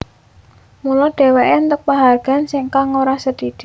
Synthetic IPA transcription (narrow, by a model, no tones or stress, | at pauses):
mulɔɖ̪̥ɛ̤weʔent̪ək̚paɦarɡ̥a̤nsɪŋkaŋoɾasəd̪id̪̥i